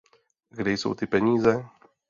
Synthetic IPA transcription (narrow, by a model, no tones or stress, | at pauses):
ɡɾejso̰wt̪ipɛnʲiːzɛ